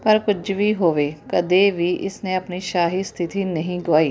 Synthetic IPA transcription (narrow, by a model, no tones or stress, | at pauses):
pəɾkʊd͡ʒʋiːɦoːʋeːkəd̪eːʋiːʔɪsnẽːəpniːʃaːɦiːst̪ʰɪt̪iːnəɦĩːɡoaːiː